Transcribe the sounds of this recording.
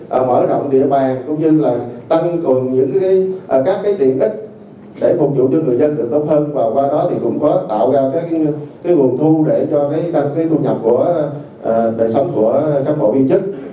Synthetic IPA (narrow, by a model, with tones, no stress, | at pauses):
ʔəː˨˩mə̰ː˧˩ɗo̰˧˨wŋ͡mɗḭ˧˨əɓaː˨˩ŋkʊ˧ŋ͡mɲɨ˧laː˨˩t̪a˧ŋkwɨ˨˩əŋɲɨ̰˧˥ŋkaː˨˦jʔkaː˦˥kːaː˨˦jt̪ḭ˧˨ənʔï˦˥k̟̚ | ɗe˧˩fʊ˨˩k̚t͡ɕṵ˧˨t͡ɕɔ˧ŋɨ˨˩əjzə˧nt̪ɨ̰˨˩ək̚t̪o˦˥t̚həː˧nvaː˨˩wkwaː˧ɗɔ˨˦t̪ʰi˨˩kʊ̰˧˥ŋ͡mkɔ˨˦t̪a̰ː˧˨wzaː˧wkaː˨˦kaː˨˦jŋu˨˩ənt̪ʰu˧ɗe˧˩t͡ɕɔ˧kaː˨˦jɗ̪a˧ŋkaː˨˦t̪ʰu˧ɲə˨˩p̚ku˧˩ə | ʔːɗəː˨˩jsə˨˦wŋ͡mku˧˩əkaː˦˥k̚ɓo̰˧˩ʔi˧ənt͡ɕɨ˦˥k̚